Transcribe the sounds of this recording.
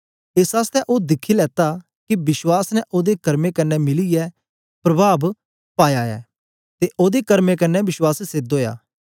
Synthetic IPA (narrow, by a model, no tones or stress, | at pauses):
eːsaːst̪ɛʔoːd̪ɪkʰilɛːt̪a | kibɪswaːsnɛʔoːd̪ekɐɾmekɐnːɛmɪlijɛ | pɾɐbʱaːb | paːjaːɛ̰ː | t̪eʔoːd̪ekɐɾmekɐnːɛbɪʃwaːsseːd̪oːja̰ː